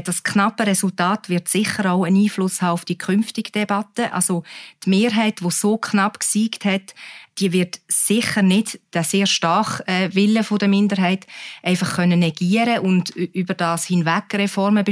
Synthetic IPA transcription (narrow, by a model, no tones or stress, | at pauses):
d̥ɑskʰnɑpəɾɛsʊltaːtvɪɾtsɪχəɾaʊəniːflʊshaːʊfd̥iəkʰχʏnftɪɡ̥d̥ɛbɑtəʔɑ̰lsotmeːɾɦɛɪtʋosoːkʰnɑpksiːkthɛtd̥iəvɪɾtsɪχəɾnɪdd̥æseːɾʃtɑrχɛːvɪləfodəmɪndəɾɦɛɪtʔɛɪfɑχkʰœnːənɛɡiːəɾəʔʊndybəɾd̥ɑːshɪnvækrɛfɔɾməbe